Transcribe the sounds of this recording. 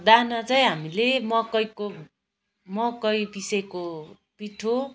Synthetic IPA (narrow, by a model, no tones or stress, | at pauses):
d̪anʌt͡sʌj̃ɦamilemʌkʌjko | mʌkʌjbisejko | piʈʰo